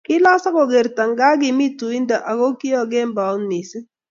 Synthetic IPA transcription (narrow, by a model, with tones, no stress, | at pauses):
kɪ˦la˦sa˦ko˨ɡe˨ɾta˨ŋɡa˦ɡɪ˨mi˦tu˨i˦nda˨ʔa˨ko˦kɪ˦ɔ˦˨ɡe˦mba˨o˦nːi˨sɪ˦